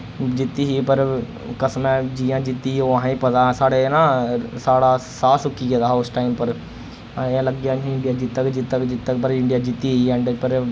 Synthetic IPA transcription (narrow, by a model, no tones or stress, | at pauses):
d͡ʒɪt̪ːiːɦiːpəɾ | kəsmɛ̃d͡ʒiːjãːd͡ʒɪt̪ːiːoəɦãːĩːpət̪aːsaːɽeːnãːsaːɽaːsaːsʊkːiːɡed̪aːɦʊsʈaːimpəɾ | ãləɡjaːĩɪɳɖijaːd͡ʒɪt̪ːakd͡ʒɪt̪ːakd͡ʒɪt̪ːəkpəɾɪɳɖɪjaːd͡ʒɪt̪ːiːɦiɛ̃ːɳɖəpəɾ